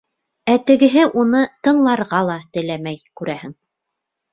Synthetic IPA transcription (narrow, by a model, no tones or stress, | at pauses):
æt̪ɘ̆ɡɘ̆ɦɘʔunɤt̪ɤ̆ɴlˠɑɾʁɑlˠɑt̪ɘ̆læmæjkʉɾæhɘŋ